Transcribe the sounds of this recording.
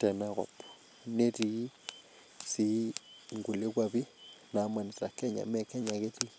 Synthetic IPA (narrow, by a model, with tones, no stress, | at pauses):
tɛ˨na˦ɣɔ̰˨pɔ̥˨ | ne˦ti˦ | si˦ŋɡu˨le˦kwaβi˦na˨˦ma˨ni˨sa˨kɛ˦ɲa̰˨mɛ˦kɛ˦ɲa˨ke˦ti˦